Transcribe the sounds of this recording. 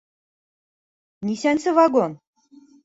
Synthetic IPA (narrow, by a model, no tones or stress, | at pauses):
nisænsɘ̆vɑɡon